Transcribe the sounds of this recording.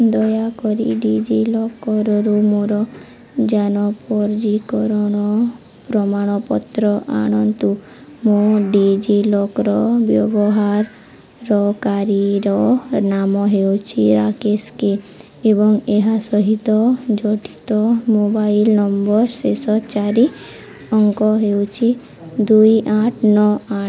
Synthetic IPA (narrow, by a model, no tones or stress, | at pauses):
d̪ɔjakɔɾḭɖid͡ʒilɔkɔɾɔɾumoɾɔ | d͡ʒanɔpɔɾd͡ʒikɔɾɔnɔ | pɾɔmaɽ̃ɔpɔt̪ɾɔʔa̰ñɔnt̪u | moɖid͡ʒilɔkɔɾɔbjɔ̰bɔɦaɾː | ɔkaɾiɾɔnamɔɦewt͡ʃʰiɾakeske | ebɔŋeɦasɔɦit̪ɔd͡ʒɔʈʰi̥t̪ɔmobailnɔmbɔɾsesɔt͡ʃaɾi | ɔŋkɔɦewt͡ʃʰi | d̪ujʔaʈʰnɔa